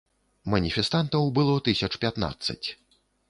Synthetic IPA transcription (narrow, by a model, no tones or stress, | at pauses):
mɐnʲifʲɛst̪ant̪ɐwbɨlˠɔt̪ɨsʲɐt͡ʂpʲat̪na̰t̪sːɐ̰t͡sʲ